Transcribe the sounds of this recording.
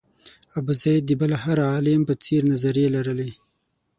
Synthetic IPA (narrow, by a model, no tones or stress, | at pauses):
abuzajd̪ːibalahaɾaɑlɪmpət͡seɾnazaɾjelaɾəle